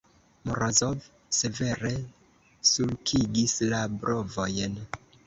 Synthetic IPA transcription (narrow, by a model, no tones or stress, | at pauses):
moɾozov | se̞ve̞ɾe̞ | sulkʰiɡislabɾo̞vo̞jn